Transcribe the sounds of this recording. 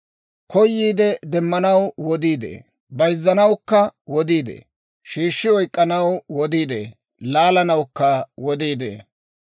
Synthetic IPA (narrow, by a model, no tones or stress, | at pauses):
kɔjːiːd̪ɛd̪ɛmːɐnɐwwɔd̪iːd̪ḛː | bɐjzːɐnɐwkːɐwɔd̪iːd̪ḛː | ʃiːʃːɪɔjkʼːɐnɐwwɔd̪iːd̪ḛː | laːlɐnɐwkːɐwɔd̪iːd̪ḛː